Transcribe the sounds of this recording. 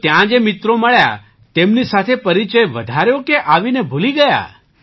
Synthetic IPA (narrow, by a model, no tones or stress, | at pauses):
t̪jãd͡ʒemɪt̪ɾoməɭja̰ | t̪emnisat̪ʰepəɾit͡ʃəjʋəd̪ʱaɾjokeʔaʋinebʱuliɡəja̰